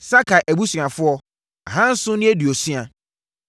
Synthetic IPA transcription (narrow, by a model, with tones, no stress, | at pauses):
sa˦kʰa˨ʔæ˨bu˦sã˨fʊ˦ɔ˦ | a˨ɦã˦n̩˦sʊ̃˦nɪ̃˦æ˦dɥo˨sɥa˨